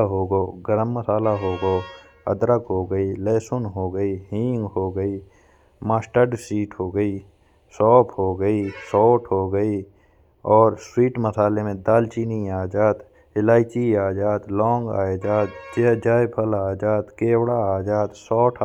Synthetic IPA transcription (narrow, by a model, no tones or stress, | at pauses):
ɦoːɡoːɡəɾəmːəsaːlaɦoːɡoː | ə̰d̪ɾəkɦoːɡəileːsʊnɦoːɡəiɦĩːŋɡɦoːɡəi | maːsʈəɾɖsiːʈɦoːɡəiː | sɔːpʰɦoːɡəisɔːʈʰɦoɡəi | ɔːɾswiːʈməsaːlemẽd̪aːlt͡ʃiːniaːd͡ʒaːd̪ | ɪlaːɪt͡ʃiaːd͡ʒaːd̪lɔ̃ːŋɡa̰ːjd͡ʒaːd̪t͡ʃed͡ʒaːjpʰəlaːd͡ʒaːd̪keːwɽaaːd͡ʒaːd̪sɔːʈʰ